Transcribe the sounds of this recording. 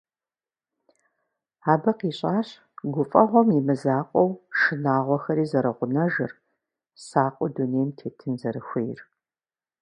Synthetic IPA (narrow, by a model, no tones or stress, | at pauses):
aːbɐqiːɕʼaːɕ | ɡʷʊfʼɐʁʷɔmimɨzaːqʷʼɔwʂɨnaːʁʷɔxɐɾiːzɐɾɐʁʷʊnɐʒɨr | saːqʷʼɔduneːmtʰeːtʰɨnzɐɾɨxʷejr